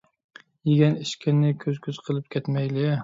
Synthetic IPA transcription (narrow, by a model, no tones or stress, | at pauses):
jɪɡʲanɪʃkʲʰɪnːɪkʲʰɵzkʲʰɵz̥qʰɨlˠɪp̚kʲʰet̪majlɪ